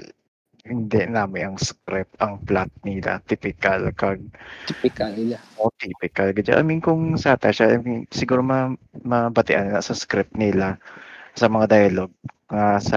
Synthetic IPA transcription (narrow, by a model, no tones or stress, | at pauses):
hɪnd̪ɛʔnaːmɪnʔɐŋskɾɪpʔɐŋplat̪̚nɪla̰t̪ipɪkɐlkɐɡ̪̚pɪkalʔot̪iːpɪkɐlɡɐd͡ʒa̰ʔɐ̰minkʊŋsaːt̪ɐʃaʔɐmɪnsɪɡuːɾomɐ | mɐbɐt̪ɪʔannɐsɐskɾɪp̚nɪlasɐmɐŋad̪ajɐloɡ̚ŋasɐ